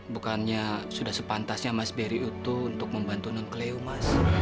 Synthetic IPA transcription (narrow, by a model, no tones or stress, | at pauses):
bukanɲasudahsəpant̪asɲamasbeɾiut̪uːnt̪ʊk̚məmbant̪unankleumas